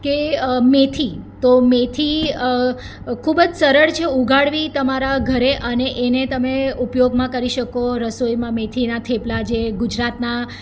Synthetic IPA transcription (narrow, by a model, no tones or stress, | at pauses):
kemet̪ʰit̪omet̪ʰi | kʰubəd͡ʒsəɾəɭt͡ʃʰeuɡʱaɽʋit̪əmaɾaɡʱəɾeʔəneʔenet̪əmeupjoɡmãkəɾiʃəkoɾəsojmãmet̪ʰinat̪ʰeplad͡ʒeɡud͡ʒɾat̪na